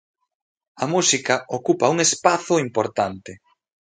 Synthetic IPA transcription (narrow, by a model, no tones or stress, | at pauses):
ɐmusikɐokupɐuŋespaθʊimpoɾt̪ant̪ɪ